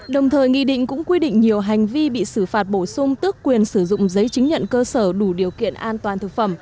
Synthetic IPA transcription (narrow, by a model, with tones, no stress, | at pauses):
ɗə˨˩wŋ͡mt̪ʰəː˨˩jŋḭ˧˨ɗḭ̈˧˨ŋ̟kʊ̰˧˥ŋ͡mkwi˧ɗḭ̈˧˨ŋ̟ɲi˨˩əwɦa˨˩jŋ̟vi˧ɓḭ˧˨sɨ˧˩faː˨˩t̚ɓo˧˩sʊ˧ŋ͡mt̪ɨ˦˥əkːwi˨˩ənsɨ˧˩zʊ̰˧˨ŋ͡mzə˨˦jt͡ɕi˨˦ŋ̟ɲə̰˧˨nkəː˧səː˧˩ɗu˧˩ɗi˨˩əwkḭ˧˨ənʔaː˧nt̪waː˨˩nt̪ʰɨ˨˩k̚fə˧˩m